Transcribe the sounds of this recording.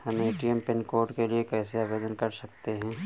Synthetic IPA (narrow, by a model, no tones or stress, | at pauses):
hɐmeːʈiəmpɪnkoːɾʈkeliekɛːseabeːd̪ənkɐɾsɐk̚t̪eɦɛ̃ː